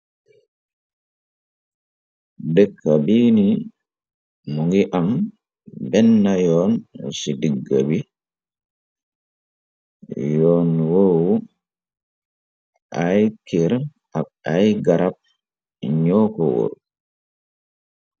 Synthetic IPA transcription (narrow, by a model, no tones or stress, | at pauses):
dɛkʰːabiːni | nuŋɡiʔam | bɛnːajɔːnsidiɡːabi | jɔːnwow | ʔajkiɾ | aɓajɡaɾap̚ | ɲɔːkɔwo̰ɾ